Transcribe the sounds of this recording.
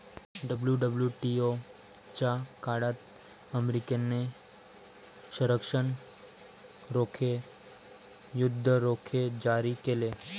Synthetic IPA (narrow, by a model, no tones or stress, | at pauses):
ɖəbljuɖəbljuʈio | t͡ʃakaɽat̪ | əmɾikenːe | ʃəɾəkʃəɳ | ɾokʰe | jʊd̪ʱːəɾokʰed͡ʒaɾikele